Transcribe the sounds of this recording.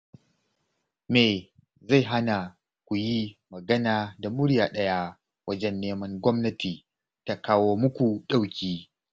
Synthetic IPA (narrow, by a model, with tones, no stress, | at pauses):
meː˨ | za˦˨jɦa˦na˨ | kʷu˨ji˦mɐ˨ɡɐ˦naː˨da˨mʊ˦ɽjaː˨ɗɐ˦ja˦ | wʔɐ˦d͡ʒɛ˦nːeː˦mɐ˦ŋɡʷɔ˦mnɐ˦tiː˨ | ta˨kaː˦woː˦mʊ˦kʷu˨ɗa˦wkʲiː˦